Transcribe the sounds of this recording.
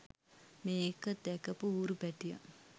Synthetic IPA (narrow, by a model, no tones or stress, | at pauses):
meːkəd̪ɛkəpuuːɾupɛʈija̰